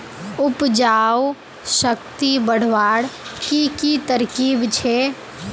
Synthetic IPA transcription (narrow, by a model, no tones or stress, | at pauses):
ʊpd͡ʒaːw | səkt̪ibəɽ̤ʋaːɽkikit̪əɾkiːbt͡ʃʰe